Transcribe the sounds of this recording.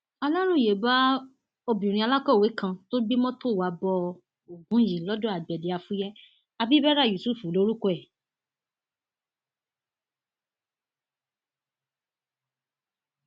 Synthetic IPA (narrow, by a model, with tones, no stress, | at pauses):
a˧la˦ɾũ˦˨je˨˦ba˦ | o˧bĩ˨ɾ̃ĩ˧a˧la˦kɔ˦˨we˨˦kã˧to˦bi˦mɔ̃˦to˦˨wa˨˦bɔ˧ | o˨ɡũ˨˦ji˨lɔ˦dɔ̃˦a˨bɛ˨di˨a˧fu˦jɛ˦ | a˧bi˦bɛ˦ɾa˦˨ju˨su˦˨fu˨˦lo˨˦ɾu˦kɔ˦ɛ˦˨